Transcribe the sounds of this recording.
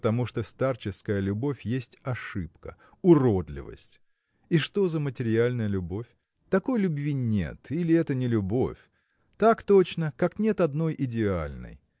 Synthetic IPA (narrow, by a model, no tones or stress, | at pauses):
t̪ɐmuʂt̪ost̪art͡ɕɪskəjəlʲʊbo̞fʲjesʲtʲɐʂɨpkə | ʊɾod̪lʲɪ̰və̰sʲtʲ | iʂt̪o̞zəmətʲɪɾʲɪalʲnəjəlʲʊbo̞fʲ | t̪ɐko̞jlʲʊbvʲinʲḛt̪ilʲɪɛt̪ənʲɪlʲʊbo̞̰fʲ | t̪akt̪o̞t͡ɕnəkaknʲe̞t̪ɐd̪no̞jʔɪdʲɪa̰lʲnɨ̰j